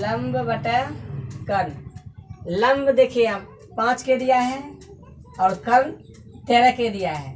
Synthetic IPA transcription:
ləmbbəʈɛkən | ləmbd̪eːkʰea | pãːt͡ʃked̪ijaɦɛ | ɔːɾkən | t̪eːɾɛked̪ijaɦɛː

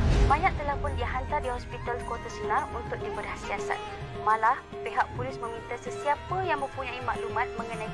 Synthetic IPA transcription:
baɲaʔ̚t̪əlahpʊndiɦant̪ardiɦɔspit̪alkot̪asənarunt̪ʊk̚dibədahsiasa̰t̪̚ | mãlah | peɦaʔ̚pulɪsmə̃mĩnt̪asəsiapəjaŋmə̃mpuɲãimaʔlumãt̪̚mə̃ŋənãj

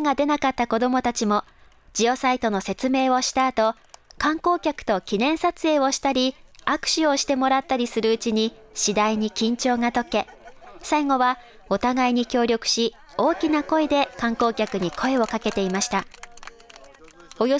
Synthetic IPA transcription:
ŋad̪e̞nakat̪ːako̞d̪o̞mo̞t̪at͡ɕimo̞ | d͡ʑijo̞sait̪o̞no̞se̞t͡sɨme̞ːβo̞ɕi̥t̪aːt̪o̞ | kãŋko̞ːkʲakɯ̥t̪o̞kʲinẽ̞ɰ̃sat͡sɨe̞ːβo̞ɕi̥t̪aɾʲiakɯ̟̥ɕio̞ɕi̥t̪e̞mo̞ɾat̪ːaɾʲisɨɾɯ̟ɯt͡ɕiɲ̟i | ɕid̪aiɲ̟ikʲĩɲ̟t͡ɕo̞ːŋat̪o̞ke̞ | saiŋo̞βa | o̞t̪aɡaiɲ̟ikʲo̞ːɾʲo̞kɯ̟̥ɕi | o̞ːkʲinako̞e̞d̪e̞kãŋko̞ːkʲakɯ̟ɲ̟ikʰo̞e̞o̞kake̞t̪e̞imaɕi̥t̪a | ojo

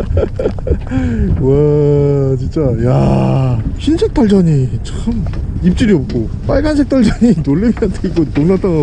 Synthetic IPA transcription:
wa | t͡ɕint͡ɕ͈aja̰ | ɕinsʰe̞k̚t͈aɭd͡ʑʌɲit͡ɕʰaxɯmip̚t͡ɕ͈iɾiʌp̚k͈o | p͈aɭɡansʰek̚t͈ʰaɭd͡ʑʌɲinoɭːimjʌntʰeik͈otoŋnat͈ana

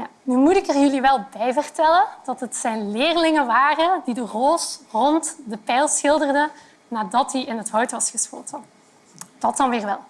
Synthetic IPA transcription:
jaːnymutɪkərjɵliʋɛlˠbɛjvərtɛlənd̥ɑtɦətsɛjnlɪːrlɪŋənʋaːrəndidəroːsrɔntdəpɛjlˠsxɪlˠdərdə | naːdɑt̚diɪnɦətɦœɥtʋɑsxəspo̰ːtə | d̥ɑtɑnʋɪːrʋɛlˠ

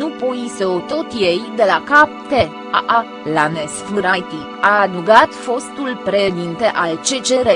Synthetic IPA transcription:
nupoiseot̪o̞t̪jejd̪e̞lakap̚t̪e | aʔa | lanesfɨɾajt̪ikad̪uɡat̪fo̞st̪ulpɾed̪int̪e̞ʔalt͡ʃe̞t͡ʃeɾe

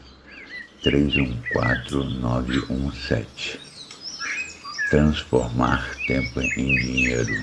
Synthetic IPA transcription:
t̪ɾezũkwa̰t̪ɾʊnɔvɪʔũsɛ̰t͡ʃɪ̥ | t̪ɾɐ̃sfoɾmaɾt̪ẽmpʊʔẽj̃d͡ʒiɲejɾʊ

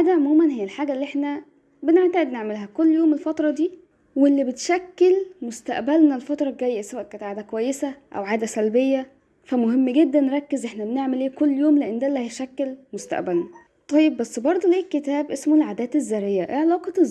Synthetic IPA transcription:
ʕaːd̪æʕomuːmænɦɪjːælħaːɡælːiʔeħnæ | beneʕt̪æʔed̪neʕmelɦækolːjoːmelfɑt̪ɾˤɑd̪iː | welːibet̪ʃækːelmost̪æ̰ʔbælnælfɑt̪ɾˤɑɡæjːæsæwæʔkæːnet̪ʕaːd̪ækowæjːesæʔæ̰wʕaːd̪æsælbejːæ | fæmoɦemːɡed̪ːænːeɾˤɑkːezʔeħnæbeneʕmelʔeːkolːjoːmleʔenːd̪ælːæhæjʃækːelmost̪æ̰ʔbælnæ | t̪ˤɑjːebbæsːbɑɾˤd̪ˤoleːkːet̪æːbʔesmolʕaːd̪æːt̪ezːæɾejːæʔeʕelɑːqɑ

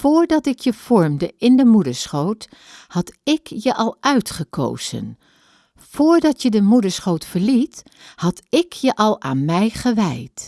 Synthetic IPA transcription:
foːɹdɑtɪkjəv̥ɔɹmdəʔɪndəmudəɹsχowt | hɑtɪkjəʔɑlˠʔœɥtχəko̰wz̥ə̰n | fʊːɹdɑtjədəmudəɹsχowtfəɹlit | hɑtɪkjəʔɑlˠa̰ːnmɛjχəʋɛjt

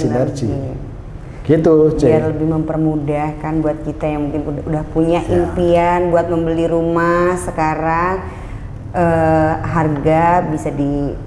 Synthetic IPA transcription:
iart͡ʃi | ɡ̥it̪ud͡ʒɛaləbɪhməmpərmudahkanbuat̪̚kit̪ajaŋmukɪnudahpuɲaʔimpianbuat̪̚məmbəliɾumahsəkaɾaŋ | ʔəɦarɡabisadi

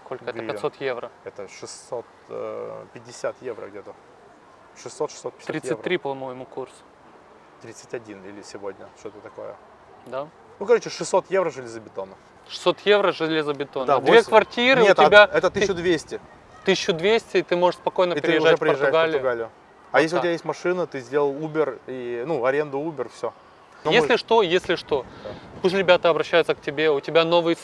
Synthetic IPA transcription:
sko̞lʲkəɛəppɪtsot̪jevrəɛt̪əʂɨsot̪ | pʲɪdʲɪsʲat̪jevɾə̰ɡdʲet̪ə | ʂɨsːot̪ʂɨ̥sot̪̚pʲɪ̥t̪ʲɾʲit̪sɨvt̪ʲːɾʲipɐmojɪmukursʊ̥ | t̪ɾʲit̪sɨtʲɐdʲinilʲɪsʲɪvodʲnʲəʂt̪ot̪ət̪ɐko̰jə̰ | d̪a | nukɐɾot͡ɕɪʂɨsːo̞t̪jevɾəʐɨlʲɪzəbʲɪt̪onə | ʂɨ̥sːo̞t̪jevɾəʐɨlʲezəbʲɪt̪o̞nad̪vʲekvɐrtʲiɾɨʊt̪ɪbʲaɛt̪ət̪ːʊd̪vʲesʲtʲɪ | t̪ɨsʲɕʊd̪vʲesʲtʲɪːt̪ɨmo̞ʐɨʂspɐkojnəptʲɪɾɪjɪʐatfpɾɪpərʐːajɡaəlʲʊjʊɡalʲɪjʊ | ɐjes̬ʲlʲɪʊtʲbʲajetʲmɐʂɨnət̪ɨzʲdʲelˠəlˠubʲɪrinuɐɾʲend̪ʊubʲɪrfsʲo | jesʲlʲɪʂt̪o̞jesʲlʲɪʂt̪o̞pus̬ʲɾʲɪbʲat̪əɐbɾɐɕːæjʊt̪sək̚tʲɪbʲe̞ʊtʲɪbʲano̞vɨjə

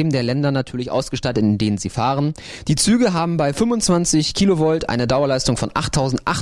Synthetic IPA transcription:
mn̩deːɐlɛndɐnatʰyːɐlɪçʔa̰ʊsɡ̥əʃtatətɪndeːnənziːfaːʁən | d̥iːt͡syːɡəɦaːbm̩baɪfʏmvʊnt͡sv̥ant͡sɪçkʰiːlovɔltʔa̰ɪnədaʊɐlaɪstʊŋfɔnʔa̰χtʰːaʊzn̩tʔa̰χ

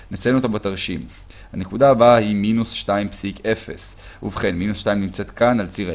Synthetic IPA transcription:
nat͡senuot̪ambat̪aʁʃim | hane̞kudaːbahiminusʃtaimpsike̞fe̞s | uvχe̞nminusʃt̪aimnimt͡se̞t̪kanalt͡si

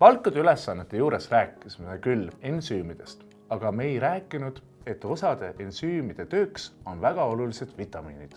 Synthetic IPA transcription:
pɑlkˑːud̪̥eyle̞sːɑnːet̪ːˑe̞juːɾe̞sræːkːˑismekylːensyːmid̪̥e̞st̪ | ɑɡ̥ɑme̞jɾæːkːˑinud̪̥ | e̞t̪ːˑo̞sɑd̪̥e̞ʔensyːmid̪̥e̞t̪ø̞ːkso̞nvæɡ̥ɑo̞lulise̞d̪̥vit̪ːˑɑmiːnid̪̥

